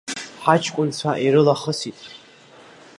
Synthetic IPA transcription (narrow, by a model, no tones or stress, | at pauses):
ħat͡ʃʰkʷʼʊnt͡sʷʰaʔiɾɨlaχəsitʼ